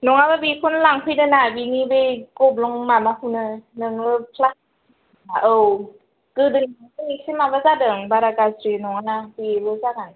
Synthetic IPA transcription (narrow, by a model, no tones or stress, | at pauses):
nɔŋaβɯbikʰunɯlaŋpʰɯjdɯnabinibejkɔblɔŋmamahunɯnɯnɯpʰlas | aʔɯw | ɡ̥ɯdɯŋbeesimabazadɯŋbaɾaɡasɾinɔŋanabiebɯzaɡan